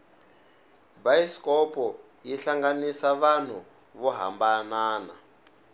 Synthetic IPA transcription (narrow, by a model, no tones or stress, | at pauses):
baiskɔpɔ | jiɬaŋɡanisaβan̤u | βuɦa̰mbanaːna̰